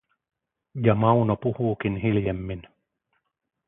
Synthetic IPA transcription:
jɑmɑunopuhuːkinɦiljemːin

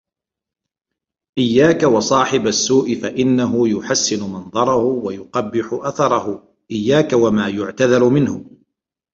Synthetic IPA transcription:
ʔɪjːaːkawɑsˤɑːħɪbasːuːʔɪfaʔɪnːaɦʊjʊħasːɪnʊmɑnd̪ˤɑɾˤɑhʊwajʊqɑbːɪħʊʔaθɑɾˤɑhʊ | ʔɪjːaːkawamaːjʊʕt̪aðɑɾmɪnhʊ

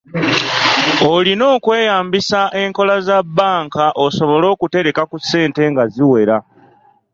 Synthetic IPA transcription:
olino̞ːkwe̞ːjaːmbisaʔe̞ŋko̞lazabːaːŋkaʔoso̞βo̞lo̞ːkute̞ɾe̞kakusːe̞ːnte̞ːŋɡaziwe̞ɾa

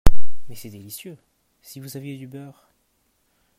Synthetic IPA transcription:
mɛsɛd̪elisjø | sivuzavjed̪ybœːʁ

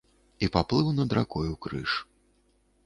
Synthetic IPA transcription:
ipaplˠɨwnɐd̪ɾa̰kɔjukɾɨ̰ʂ

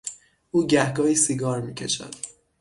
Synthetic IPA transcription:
ʔuːɟæhɡɒːiːsiɡɒːɾmiːcʰeʃæ̰d̪̥

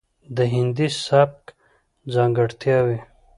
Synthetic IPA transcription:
d̪əɦɪnd̪isap̚k | d͡zãːŋɡɐɽt̪jawi

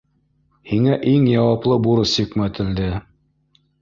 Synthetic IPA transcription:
hiŋæʔiŋjɑwɑplˠɤbuɾɤsikmæt̪ɘ̆ld̪ɘ

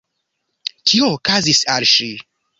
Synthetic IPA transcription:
kʰioːkazisalʃi

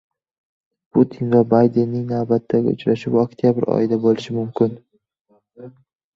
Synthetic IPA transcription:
pʰut̪ʰinvabajd̪e̞nːɪŋnavbat̪ʰːaɡʲɪ̰ʊ̰t͡ʃɾaʃɪpokt̪ʰijabɪɾɒ̰jɪd̪abolɪʃɪmʊmkʲʰɪn

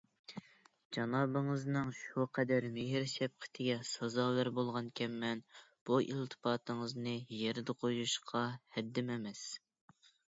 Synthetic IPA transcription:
d͡ʒɑnɑːbɨŋəznɨŋʃuqʰɛd̪æɾmɪɦɪɾsɛp̚qʰə̥t̪ʰɪɡʲɛsɑzɑwæɾbolˠʁɑnkʲʰɛmːɛnb̥uʔḭlt̪ʰɨ̥pɑːt̪ɨŋəznɨjeɾd̪ɨqʰojuʃqʰɑhɛd̪ːɪmɛmɛs

